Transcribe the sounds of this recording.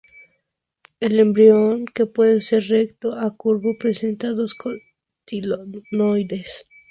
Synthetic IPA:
elembɾioŋkepweðeseɾrekt̪oakuɾβopɾesent̪aðosko | t̪ilonojd̪es

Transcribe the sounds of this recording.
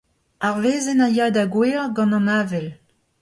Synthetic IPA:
aʁveːzɛnajaːdaɡweːʁɡɑ̃nɑ̃naːvɛl

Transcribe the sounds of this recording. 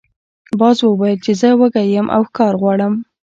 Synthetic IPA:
bɑzwəwɑjəlt͡ʃezəwəɡajəmʔa̰wxkɑɾɣwɑɽəm

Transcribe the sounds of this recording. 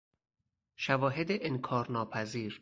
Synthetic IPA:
ʃævɒːɦed̪eʔenkʰɒːɾnɒːpʰæziːɾ

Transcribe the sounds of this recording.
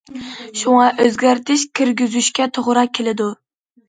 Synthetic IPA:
ʃʊŋɑʔøzɡʲaɾt̪ʰɪʃkʲʰiɾɡʲyzyʃkʲat̪ʰoʁɾɑkʲʰːelɪd̪ʊ

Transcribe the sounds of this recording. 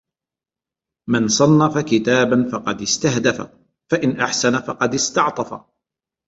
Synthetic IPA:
mɪnsˤɑnːɑfakɪt̪aːbanfɑqɑd̪ɪst̪aɦd̪afa̰ | faʔɪnʔaħsanafɑqɑd̪ɪst̪ɑʕt̪ˤɑfa̰

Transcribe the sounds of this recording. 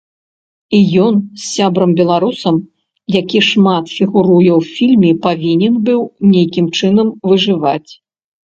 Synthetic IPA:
ijɔnsʲːabɾɐmbʲɛlˠaɾusɐm | jakʲiʂmat̪fʲiɣuɾujɛwfʲilʲmʲɛpavʲinʲɛnbɨwnʲejkʲimt͡ʂɨnɐmvɨʐɨvat͡sʲ

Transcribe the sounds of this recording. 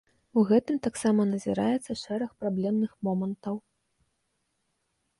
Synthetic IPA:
uɣɛt̪ɨmt̪aksamɐnɐzʲiɾa̰jɛt̪sːɐʂɛɾɐxpɾablʲɛmnɨxmɔmɐnt̪ɐw

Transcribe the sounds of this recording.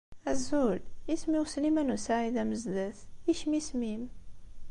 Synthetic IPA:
æzulismiwsnimænusaʕiðæməzd̪əθiʃmismim

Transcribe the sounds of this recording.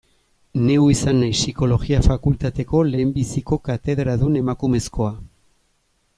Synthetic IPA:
ne̞wisanːajsiko̞loɣiafakult̪at̪e̞ko̞le̞ːmbisiko̞kat̪e̞ðɾaðune̞makume̞sko̞a

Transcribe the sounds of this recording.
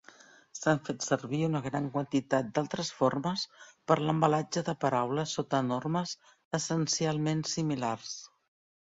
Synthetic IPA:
saɱfet̪səɾβiunəɣɾaŋkwənt̪it̪at̪̚d̪alˠt̪ɾəsforməspəɾləmbəlad͡ʒəðəpəɾawləsot̪ənorməz | əsənsialˠmensimilars

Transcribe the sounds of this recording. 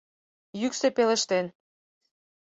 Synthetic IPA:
jyksepelə̆ʃt̪en

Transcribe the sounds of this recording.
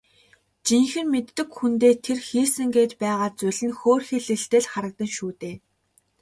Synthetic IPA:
t͡ɕiŋxɘ̆nmet̪ːɘ̆kxunt̪eːt̪ʰerxiːsɘ̆ŋɡeːt̪pæːʁaːt͡sʊɮɘ̆nxoːrxĕɮɘ̆ɬt̪eːɮχaɾə̆k̚t̪ə̆ŋʃuːt̪eː

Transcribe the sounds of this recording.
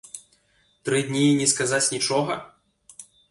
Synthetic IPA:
t̪ɾɨd̪ʲnʲinʲɛskazat͡sʲnʲit͡ʂɔɣɐ

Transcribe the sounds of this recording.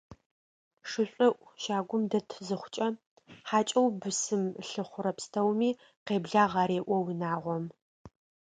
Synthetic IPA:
ʂɨɕʷʼɪʔʷʃaːɡʷʊmdɐtʰzɨχʷʊt͡ʃʼɐ | ħaːt͡ʃʼɐwbɨsɨmɬɨχʷʊɾɐpstʰɐwmiː | qeːbɮaːʁɐɾeːʔʷɔwinaːʁʷɔm

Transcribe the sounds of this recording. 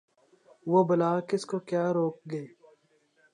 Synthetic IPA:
ʋobɐlaːkɪskokjaːɾoːk̚ɡɐeː

